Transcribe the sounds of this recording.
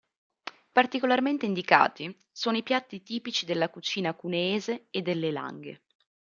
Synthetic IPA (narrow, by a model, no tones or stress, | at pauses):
part̪ikolarment̪eind̪ika̰ːt̪i | soːnoipjat̪ːit̪iːpit͡ʃid̪elːakut͡ʃiːnakuneːzeed̪ːelːela̰ŋɡḛ